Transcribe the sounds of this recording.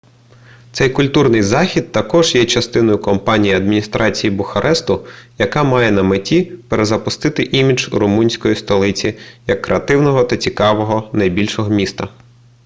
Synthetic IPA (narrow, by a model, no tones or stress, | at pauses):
t̪sɛjkʊlʲt̪urnɪjzɑxʲidt̪ːɐkɔʒjɛt͡ʃɐst̪ɪnɔjʊkɔmpɑnʲijiɐd̪mʲnʲist̪ɾʔɑt͡sʲijibʊxɐɾʔɛst̪ʊjɐkɑmɑjɛnɐmɪtʲipeɾezɐpʊst̪ɪt̪ɪʔimʲid͡ʒuɾʊmunʲsʲkɔjist̪ɔlˠɪt͡sʲijɐkːɾʔeɐt̪ɪwnɔɦɔt̪ɐt͡sʲikɑʋɔɦɔnɐjbʲilʲʃɔɦɔmʲist̪ɐ